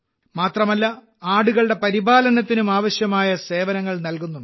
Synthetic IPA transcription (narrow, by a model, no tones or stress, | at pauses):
maːt̪rɐmɐlːɐ | aːɽuɣɐɭɽe̞pɐɾibaːlɐnɐt̪ːinumaːʋɐɕjɐmaːjɐse̞ːʋɐnɐŋːɐɭnɐlkunːuɳɖɨ